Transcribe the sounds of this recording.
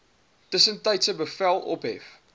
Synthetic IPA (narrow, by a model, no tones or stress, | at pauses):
d̥əsəntɐɪtsəbəfælˠʔɔ̰pɦɛ̰f